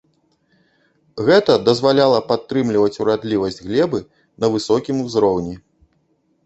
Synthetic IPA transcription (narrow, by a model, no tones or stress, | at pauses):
ɣɛt̪ɐd̪ɐzvalʲalˠɐpat̪ːɾɨmlʲivɐt͡sʲuɾad̪lʲivɐsʲd͡zʲɣlʲɛbɨ | nɐvɨsɔkʲimuzɾɔwnʲi